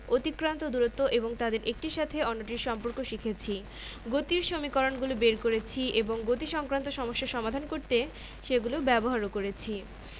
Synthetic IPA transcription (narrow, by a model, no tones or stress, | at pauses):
ot̪ikːɾant̪od̪uɾot̪ːoʔeboŋt̪ad̪eɾʔek̚ʈiʃat̪ʰeɔnːoʈ̬iɾʃɔmpoɾkoʃikʰet͡ɕʰi | ɡot̪iɾʃomikɔɾonɡulobeɾkoɾet͡ɕʰiʔeboŋɡot̪iʃɔŋkɾant̪oʃɔmoʃːaʃɔmad̪ʱankoɾt̪e | ʃeɡulobɛboɦaɾokoɾet͡ɕʰi